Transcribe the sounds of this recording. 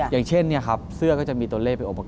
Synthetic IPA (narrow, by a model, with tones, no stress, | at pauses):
jaː˨˩ŋt͡ɕʰe˥˩nːi˥˩ɐkʰa˦˥p̚sɯ˥˩ɐkɔː˥˩t͡ɕa˨˩miː˧t̪u˧ɐ˧leː˥˩pa˧nʔo˨˩pːa˧k